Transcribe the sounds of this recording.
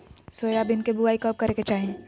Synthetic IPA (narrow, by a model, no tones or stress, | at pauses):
soeaːbɪnkebuaːikəːp̚kɐɾeket͡ʃaːɦẽ